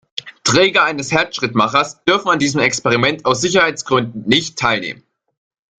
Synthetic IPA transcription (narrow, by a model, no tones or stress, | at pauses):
tʁ̥ɛːɡɐaɪnəshɛɐt͡sʃʁ̥ɪtmaχɐsd̥ʏɐfn̩andiːzəmɛkspɛʁ̞imɛntaʊs̬z̥ɪçɐhaɪt͡sɡ̥ʁʏndn̩nɪçtʰːaɪlnḛːmən